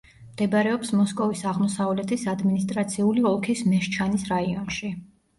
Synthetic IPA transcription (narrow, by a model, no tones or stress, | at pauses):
md̪̥ɛbaɾɛɔpsmɔskʼɔvisaʁmɔsavlɛt̪ʰisad̪minist̪ʼɾat̪sʰiuliɔlˠkʰismɛʃt͡ʃʰanisɾaiɔnʃi